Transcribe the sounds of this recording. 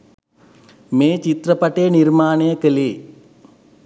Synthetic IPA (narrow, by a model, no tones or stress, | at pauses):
meːt͡ʃit̪rɐpɐʈːeniɾmaːnɐjɐkeli